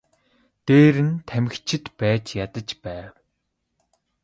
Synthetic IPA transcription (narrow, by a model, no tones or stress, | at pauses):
t̪eːɾɘ̆nt̪ʰæmɘ̆xt͡ɕʰɪ̆t̪pæːt͡ɕjat̪ə̆t͡ɕpæːw